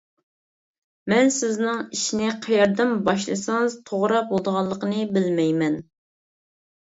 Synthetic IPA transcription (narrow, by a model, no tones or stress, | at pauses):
mɛnsɪznɨŋiʃinɪqʰɑjɑɾd̪ɨmbɑʃ̬lˠɨ̰sɨŋɨz̥t̪ʰoʁɾɑpwolˠd̪əʁɑlˠːəqənɨbɪlmɛjmɛn